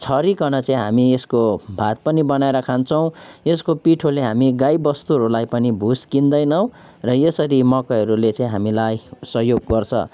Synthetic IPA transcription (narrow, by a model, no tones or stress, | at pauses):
t͡sʰʌɾikʌnʌt͡saĩɦa̰mieskobʱat̪̚pʌnibʌnaeɾʌkʰant͡sʰʌw̃eskopiʈʰoleɦamiɡajbʌst̪uɦʌɾulajpʌnibʱuskind̪ʌjnʌw̃ | rʌjesʌɾimʌkʌɦʌɾulet͡saĩɦamilajsʌɦjoɡːʌrt͡sʰʌ̰